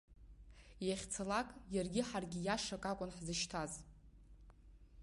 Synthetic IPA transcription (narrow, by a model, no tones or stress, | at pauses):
jaχʲt͡sʰalakʼjarɡʲɪħarɡʲɪjaʂakʼakʷʼʊnħzɨʃtʰaz